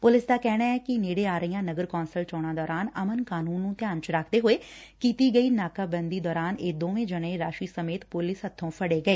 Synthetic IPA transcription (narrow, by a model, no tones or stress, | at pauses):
pʊlɪsd̪aːkɛːɽaːɛːkɪneːɽeːaːɾəijãːnəɡəɾkɔːnsəlt͡ʃɔːɽ̃ãːd̪ɔːɾaːnəmənkaːnuːnːũːt̪ɪjaːnt͡ʃɾaːkʰd̪eːɦoːeːkiːt̪iːɡəiːnaːkaːbənd̪iːd̪ɔːɾaːneːd̪oːʋẽːd͡ʒəɽ̃ẽːɾaːʃiːsəmeːt̪pʊlɪsɦət̪ʰːõːpʰəɽeːɡəeː